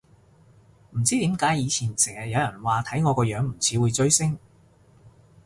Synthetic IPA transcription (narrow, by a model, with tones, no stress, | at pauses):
m̩˨˩t͡siː˥t̪iː˨˥mkaː˨˥jiː˨˧t͡sʰiː˨˩nsɛ˨˩ɐ˨t̚jɐ˨˧wjɐ˨˩nwaː˨t̪ʰɐ˨˥jŋɔː˨˧kɔː˧jœː˨˥ŋm̩˨˩t͡sʰiː˨˥wuː˨˧jt͡sɵ˥ɥsɪ˥ŋ